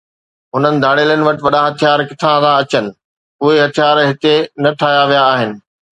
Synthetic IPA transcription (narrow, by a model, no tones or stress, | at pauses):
ɦʊnənɪ̆d̪ʱaːɽeːlənɪ̆ʋɐʈɪʋɐɗãɦɐt̪ʰijaːɾkɪt̪ʰãt̪ãɐt͡ɕənɪ̆ | ʊɦeɦɐt̪ʰijaːɾɦɪt̪enɐʈʰaːɦjaʋijaːɦɪnɪ̆